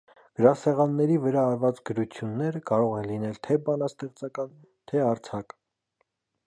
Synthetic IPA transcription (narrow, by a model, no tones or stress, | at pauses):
ɡ̥əɾɑsɛʁɑnːɛɾivəɾɑːɾvɑt͡sɡəɾut͡sʰjunːɛɾəkɑɾɔʁɛnlinɛlt̪ʰɛbɑnɑst̪ɛχt͡sɑkɑn | t̪ʰɛɑɾt͡sʰɑk